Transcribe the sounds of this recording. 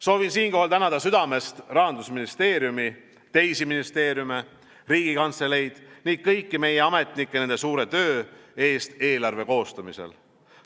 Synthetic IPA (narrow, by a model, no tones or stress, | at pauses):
so̞ːvinsiːŋko̞ɦhɑlt̪ænɑd̪ɑsyd̪̥ɑme̞st̪rɑɦɑnd̪usminist̪e̞ːɾjumi | t̪e̞jsiminist̪e̞ːɾjume̞ | riːɡ̥ikɑnt̪sele̞jd̪̥niːk̪̚kɤjkːime̞je̞ɑme̞t̪ˑnikˑːene̞nd̪esuːɾe̞t̪ø̞ːe̞ːst̪e̞ːlɑrve̞ko̞ːst̪ɑmise̞̰l